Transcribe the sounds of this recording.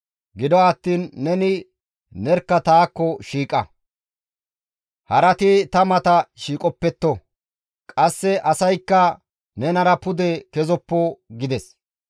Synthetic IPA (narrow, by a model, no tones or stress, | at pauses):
ɡɪd̪ɔɐt̪ːiːnːɛnɪ | nɛɾkːɐt̪aːkːɔʃiːkʼɐ | hɐɾɐt̪ɪt̪ɐmɐt̪ɐʃiːkʼɔpːɛt̪ːɔ | kʼɐsːɛʔɐsɐjkːɐ | nɛnɐɾɐpʊd̪ɛkɛzɔpːoɡɪd̪ɛs